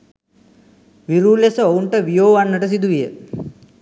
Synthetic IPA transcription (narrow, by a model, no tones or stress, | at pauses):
ʋiɾuːlesəouɳʈəʋijoːʋanːəʈəs̬id̪uʋijə